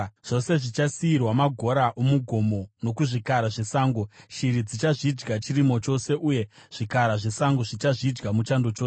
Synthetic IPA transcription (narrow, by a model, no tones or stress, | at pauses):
ʐ̥o̞se̞ʐit͡ʃasiirwamaɡʱo̞ɾaʔomuɡʱo̞mo̞no̞kuʐikaɾaʐe̞saːŋɡo̞ʃiɾid͡zit͡ʃaʐid͡ʒɡat͡ʃirimo̞t͡ʃo̞se̞ʔuje̞ʐ̥ikaɾaʐe̞saŋɡo̞ʐit͡ʃaʐid͡ʒɡamut͡ʃando̞t͡ʃoːs